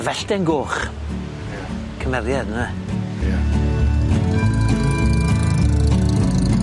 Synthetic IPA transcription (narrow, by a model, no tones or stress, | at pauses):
vɛɬtɛnɡoːχ | kʰəmɛɾjadna | a